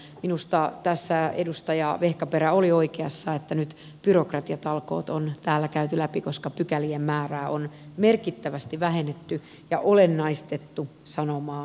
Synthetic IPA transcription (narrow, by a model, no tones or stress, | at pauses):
minust̪ɑt̪æsːæḛdust̪ɑjɑʋehkɑpeɾæolioikeɑsːɑet̪ːænyt̪ | b̥yrokrɑt̪iɑt̪ɑlko̰ːt̪ont̪æːlːækæyt̪ylæpikoskɑpykæliemmæːræːʔonmerkit̪ːæʋæst̪iʋæhenet̪ːy | jɑʔolenːɑist̪et̪ːusɑnomɑː